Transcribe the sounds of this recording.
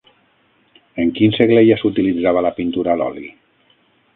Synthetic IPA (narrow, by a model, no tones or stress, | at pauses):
eŋkinseɣlejasut̪ilid͡zaβ̞alapint̪uɾalɔ̰li